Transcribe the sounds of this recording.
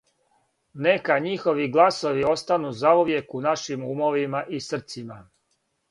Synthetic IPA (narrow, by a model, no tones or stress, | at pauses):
nekaɲixo̞ʋiɡlˠaso̞ʋio̞st̪anuzauʋje̞kunaʃimumoʋimaʔisr̩t̪sima